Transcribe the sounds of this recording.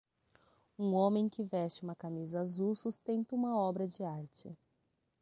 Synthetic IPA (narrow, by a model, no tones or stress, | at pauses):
ũõmẽj̃kɪvɛst͡ʃɪũmɐkamizɐaːzusust̪ẽnt̪ɐũmɐɔbɾɐd͡ʒɪaɾt͡ʃɪ̰